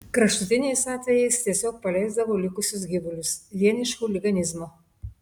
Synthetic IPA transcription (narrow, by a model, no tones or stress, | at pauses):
kɾɐʃt̪ʊt̪ʲɪnʲɛɪsɑːt̪ʲʋʲɛjɛɪst̪ʲiɛsʲoːk̚pɐlʲɛɪzd̪ɐʋoːlʲɪkʊsʲʊs̬ɡʲɪʋʊlʲʊsʋʲiɛnʲɪʃkuːlʲɪɡɐnʲɪzmoː